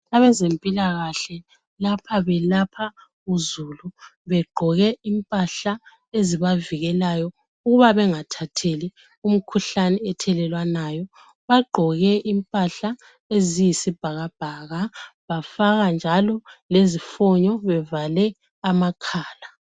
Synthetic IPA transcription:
aβɛzempʼilaɣaɬɛ | lapʰaβɛlapʰa | uzuluβɛɡ͡ǃʱɔɣɛimpʼaɬa | eziβaviɣɛlajɔ | uɣuβaβɛŋatʰatʰeli | um̩kʰuɬanɛɛtʰɛlɛlwanajɔ | βaɡ͡ǃʱɔɣɛʔimpʼaɬa | ezijisib̥ʱaɣab̥ʱaɣaβafaɣand͡ʒʱalɔlezifɔɲɔβɛvalɛ | amakʰaːla

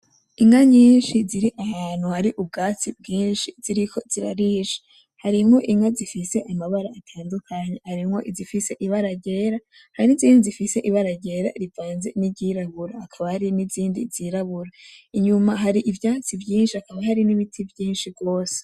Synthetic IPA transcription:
iŋaɲiːnʃiziɾiʔahaːn̥huhaɾiʔub̚ɡaːt͡sibɡiːnʃiziɾikʰo̞z̥iɾaɾiːʃe̥ | haɾimŋo̞ʔiŋazifise̞ʔamaβaɾaatʰaːndukʰaɲehaɾimŋo̞̰ʔizifise̞ʔiβaɾaɟe̞ːɾa | haɾiniziːndizifise̞ʔiβaɾaɟe̞ɾa̰ɾivaːnze̞niɟiɾaβuɾaːkʰaβahaɾiniziːndḭziɾaβuɾaiɲumaɦaɾiʔivjaːt͡sivjiːnʃiakaβahaɾiniβitʰivjiːnʃibɡo̞ːse̥

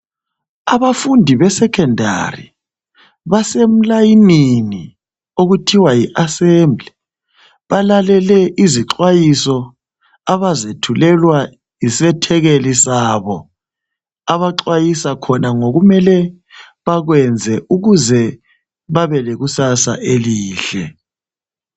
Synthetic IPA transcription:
aβafundʱiβɛsɛkʰɛndʱa̰rḭ | βasem̩lajinini | oɣutʰiwajiʔasɛmbʱli | βalalɛlɛʔiziǁwajisɔ | aβazetʰulɛlwa | jisɛtʰɛɣelisaβɔ | aβaǁwajisakʰɔnaŋoɣumɛlɛ | βaɣwɛnd͡zʱɛʔuɣuzɛ | βaβɛleɣusasa̰ʔeliːɬɛ

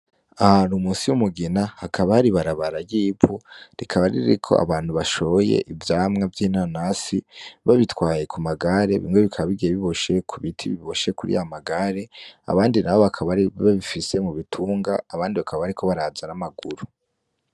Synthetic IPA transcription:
aɾumuːnsiwumuɡinahakaβahaɾiβaɾaβaɾaɡiːpuɾikʰaβaɾḭɾḭɾḭkʰo̞̰a̰βaːn̥huβaʃoβoje̞̰ʔivjaːmŋavjiːnanasiβaβitwaːje̞kʰumaɡaɾe̞βḭŋweβikʰaβaβiɡieβiβoʃe̞kʰuβitʰiβiβoʃe̞kuɾḭjamaɡaɾe̞a̰βaːndinaβo̞βakʰaβaɾiβaβifise̞muβitʰuːŋɡaːβaːndiβakʰaβaβaɾikʰo̞βaɾaːzanamaɡuɾu

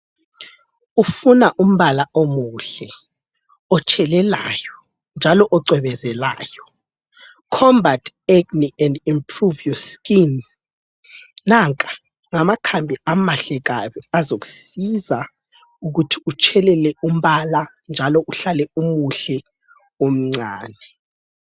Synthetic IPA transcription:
ufunaʔum̩βalaomuɬɛ | ɔt͡ʃʰɛlɛla̰ːjɔ | nd͡ʒʱalɔʔɔǀʱwɛβɛzɛla̰ːjɔ | kʰɔmbʱatʰɛɡniɛndimpʰruviɔskin | aŋkʼḁ | ŋamakʰambʱiamaɬɛɣ̬aɓɛazoku̥siza | uɣ̬utʰiut͡ʃʰɛlɛlɛum̩βala | nd͡ʒʱalɔʔuɬalɛumuɬɛ | um̩ŋ͡ǀaːnɛ

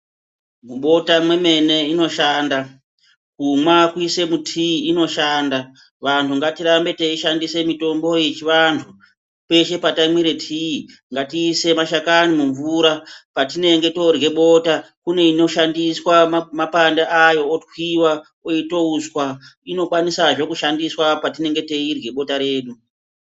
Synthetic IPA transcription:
muɓo̞tamwe̞me̞ne̞ino̞ʃaːnda | kumwakuise̞mutʰiiːno̞ʃaːnda | ʋantʰuŋɡatirambe̞teiʃandise̞mito̞mbo̞je̞t͡ʃiʋantʰu | pe̞ʃe̞patamwiɾe̞tʰii | ŋɡatiːse̞maʃakanimuɱvuɾapatine̞ŋɡe̞to̞rɣe̞ɓo̞ta | kune̞ino̞ʃandiswamapandaajo̞ːtwiwa | oito̞uswaino̞kwanisaʐo̞kuʃandiswapatine̞ŋɡe̞te̞irwe̞ɓo̞taɾe̞ːɗu

